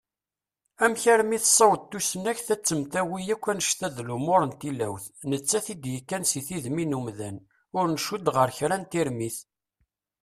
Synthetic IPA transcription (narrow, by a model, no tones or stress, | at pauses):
æmçæɾmiθsˤːɑwd̪̚t̪ːusənæçθæt͡sːəmt̪æwijækʷːænəʃθæðlumʊɾənt̪ilæwθnət͡sːæθid̪jikːænsiθiðminumðæn | ʊɾnəʃud̪ʁəɾçɾænt̪iɾmiθ